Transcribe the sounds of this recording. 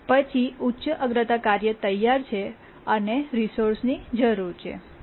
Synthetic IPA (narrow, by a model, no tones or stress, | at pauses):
pət͡ʃʰiutːʃəʔəɡɾət̪akaɾjət̪əjːaɾt͡ʃʰe | əneɾisoɾsnid͡ʒəɾuɾt͡ʃʰḛ